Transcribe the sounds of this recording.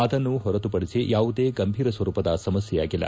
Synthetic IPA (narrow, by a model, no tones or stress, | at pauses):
ɐd̪ɐnːuɦɔɾɐt̪upɐɽisijaːʋud̪e̞ːɡɐmbʱiːɾɐsʋɐɾuːpɐd̪ɐsɐmɐsjɛjaːɡilːɐ̰